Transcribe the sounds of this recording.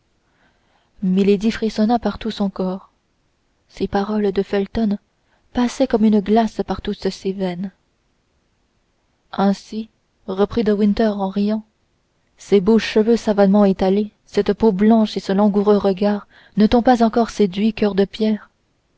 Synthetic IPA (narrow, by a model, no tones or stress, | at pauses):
miled̪ifχisɔnapaʁt̪usɔ̃kɔːʁ | sepaʁɔld̪əfɛlt̪ɔn | pasɛkɔmynəɡlaspaʁt̪usəsevɛn | ɛ̃si | ʁəpχid̪əwĩnt̪œʁɑ̃ʁijɑ̃ | seboʃəvøsavamɑ̃et̪ale | sɛt̪poblɑ̃ʃesəlɔ̃ɡuʁøʁəɡaːʁ | nət̪ɔ̃pazɑ̃kɔʁsed̪ɥikœʁd̪əpjɛːʁ